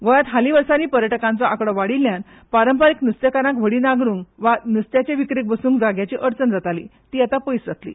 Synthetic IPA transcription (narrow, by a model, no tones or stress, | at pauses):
ɡɔjat̪ɦaliʋəɾsaniːpəɾjəʈəkãnt͡sɔʔakɽɔʋaɽiljan | paɾəmpaɾiknəst̪jekaɾãkʋ̤əɽinaɡɾuːŋkʋanəst̪jat͡ɕeʋikɾik̚bəsuːŋkd͡zaɡjat͡ɕiːʔəɾt͡sənd͡zat̪alit̪iːat̪apəjsd͡zat̪lḭ